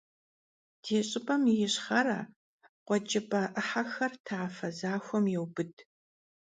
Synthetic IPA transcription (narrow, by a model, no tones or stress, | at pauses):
d̥ʰeːɕʼɪpʼɐmjɪɕχɐɾaː | qʷɔd͡ʒɪpʼɐʔɨħaxɐrtʰaːfɐzaːxʷɔmjɛwbɨdʰʼ